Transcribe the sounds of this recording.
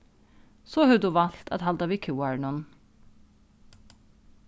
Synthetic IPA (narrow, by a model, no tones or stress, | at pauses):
soːhœːd̪uːʋɑlt̪ʰɑ̰d̪hɑld̪ɑʋikʰʉːɑɹɳɔn